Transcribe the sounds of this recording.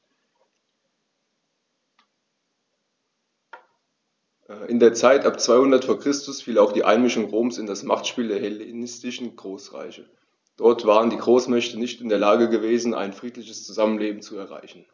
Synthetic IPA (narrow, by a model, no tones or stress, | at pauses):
ʔɪndeːɐt͡saɪtʔapt͡sv̥aɪhʊndɐtfoːɐkʁ̥ɪstʊsfiːlaʊxd̥iːʔa̰ɪnmɪʃʊŋʁoːmsɪndasma̰χtʃpiːldeːɐhelenɪstɪʃn̩ɡ̥ʁoːsʁa̰ɪçə | d̥ɔɐtv̥aːʁəndiːɡʁoːsmɛçtənɪçtɪndeːɐlaːɡəɡəveːzn̩ʔa̰ɪnfʁ̥iːtlɪçəst͡suzamənleːbm̩t͡suɛɐʁa̰ɪçn̩